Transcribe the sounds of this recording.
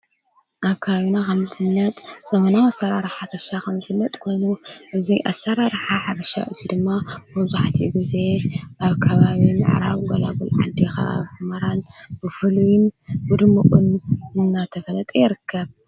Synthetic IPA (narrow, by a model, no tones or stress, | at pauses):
ʔaβkʰaβaβinakʰɐmzɨħɨnːɐt̪ʼsɐmɐnawasɐɾaɾħarɐʃakʰɐmzɨfɨlːɐt̪ʼkʰo̞jnuʔɨzijʔa̰sːɐɾaɾħaħaɾɐʃa̰ʔɨzid̪ɨmːamɐβzuħt̪ʰiɡɨze̞ʔaβkʰɐβaβimɨ̰ʕɾa̰βɡola̰ɡɨlʕa̰d̪ixa̰a̰βħɨmɐɾanbɨfɨlujɪnbud̪mɨqʼɨnɨnːat̪ʰɐfɐlɐt̪ʼejɪɾɨkʰːɐβ